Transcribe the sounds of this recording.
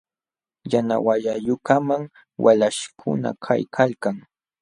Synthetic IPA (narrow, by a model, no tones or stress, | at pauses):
jana̰wajajʊkamaŋ | walaʃkʰʊ̰na̰kʰa̰jkʰalkaŋ